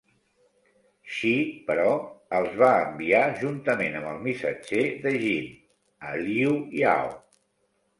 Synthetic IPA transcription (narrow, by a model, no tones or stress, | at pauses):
ʃipəɾɔəlˠzβaəmbiaʒunt̪əmenəmbəlˠmisəd͡ʒeðəʒin | əliuia̰w